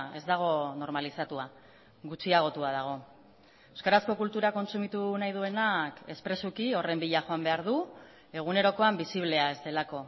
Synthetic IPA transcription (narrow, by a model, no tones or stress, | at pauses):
e̞zd̪aɣ̞o̞no̞ɾmalisat̪ua | ɣut͡siaɣ̞o̞t̪uað̞aɣ̞o̞ | ewskaɾasko̞kult̪uɾako̞nsumit̪unajð̞ue̞nake̞spɾe̞sukio̞re̞mbiʎaxo̞ambe̞aɾðu | e̞ɣ̞une̞ɾo̞ko̞ambisiβle̞ae̞zd̪e̞lako̞